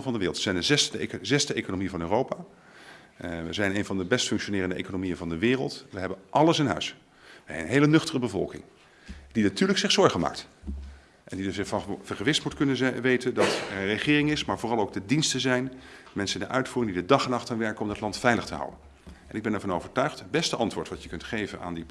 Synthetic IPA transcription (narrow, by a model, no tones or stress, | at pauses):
vɑndəʋɪːrlˠtʋəz̥ɛjndəzɛszɛstəejkonomiəvɑnøːrowpaː | ʋəzɛjnejnvɑndəbɛstfɵŋkʃonɪːrəndəʔḛjkonomijənvɑndəʋɪːrəlˠtʋəɦɛbənʔɑləsɪnɦœ̰ɥs | ʋəɛnənɦejlənɵχtərəbəvɔ̰lˠkɪ̰ŋ | d̥inatyːɹləksɪχsɔɹχəma̰ːkt | ʔɛndidəɪfɑv̥əɹχəʋɪstmutkɵnəʋejtəndɑtɛərəχɪːrɪŋɪsmaːɹvʊːrɑlˠoʊwɡ̚dədinstəzɛjn | mɛnsənɪndəʔœɥtfuːrɪŋdidədɑχɛnɑχtanʋɛɹkəɔmdɑtlɑntfɛjləχtəɦʌ̰wən | ɛnɪɡ̚bɛnɛɹv̥ɑnoʊvəɹtœɥχt̚bɛstəɑntʋʊːɹtʋɑtəkɵntχejvəna̰ːndi